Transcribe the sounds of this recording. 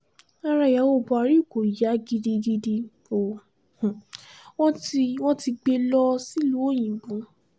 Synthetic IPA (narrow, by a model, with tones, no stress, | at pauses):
a˦ɾa˧˨ja˨˦wo˦˨bu˨a˧ɾi˦˨ko˨i˨ja˨˦ɡi˧di˧ɡi˧di˧ | o˨ | hwɔ̃˦i˧w̃ɔ̃˦ti˧ɡ͡be˧lɔ˦si˦lu˦o˦˨j̃ĩ˨bũ˨˦